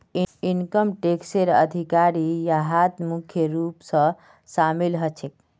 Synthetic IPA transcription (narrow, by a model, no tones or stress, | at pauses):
inkəmʈekseɾə̰d̪ʱikaɾijaɦat̪mukʰjəɾupsə̃ | samilɦət͡ʃʰek̚